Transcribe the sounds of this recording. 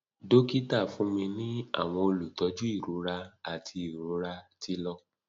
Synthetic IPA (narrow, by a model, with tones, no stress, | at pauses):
do˦ki˦ta˦˨fũ˨˦mĩ˧nĩ˦a̰˦˨w̃ɔ̃˧o˧lu˨tɔ˨˦d͡ʒu˦i˦˨ɾu˨˦ɾa˧a˨tʰi˧i˨ɾũ˨˦ɾa˧ti˧lɔ˧